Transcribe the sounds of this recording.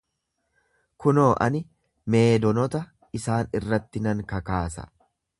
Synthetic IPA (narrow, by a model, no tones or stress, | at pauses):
kʊno̞ːʔɐ̰nɪ | me̞ːd̪ɔnɔt̪ɐ | ɪsaːnɪrːɐt̪ːɪnɐŋkɐkaːsɐ̰